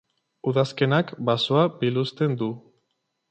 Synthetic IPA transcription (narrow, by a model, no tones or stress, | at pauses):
uðaske̞nakbasoabilust̪e̞nd̪u